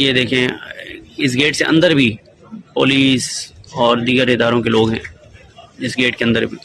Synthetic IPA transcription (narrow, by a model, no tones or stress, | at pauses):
jed̪eːkʰẽ | ɪs̬ɡeːʈseʔɐ̰̃nd̪əɾbʱi | po̰ːliːsɔːɾd̪iːɡəɾɪd̪aːɾõkeloːɡɦɛ̰̃ː | ɪsɡeːʈkeɐ̃nd̪əɾbʱiː